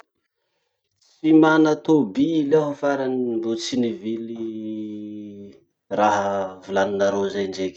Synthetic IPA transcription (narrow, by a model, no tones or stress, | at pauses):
t͡simanat̪obilaɦəfaɾanibot͡sinivili | raɦəvulaninaɾozajɳɖ͡ʐek